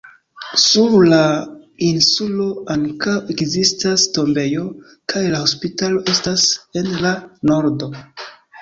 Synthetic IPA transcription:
suɾlainsulo̞aŋkawe̞kzistasto̞mbe̞jo̞ | kʰajlaho̞spitalo̞ʔe̞stase̞nlano̞ɾdo̞

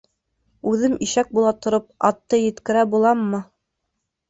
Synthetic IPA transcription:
ʉðɘmiʃæk̚bulˠɑt̪ŏɾɤp̚ɑt̪ːɤjɘ̆t̪kɘ̆ɾæbulˠɑmːɤ

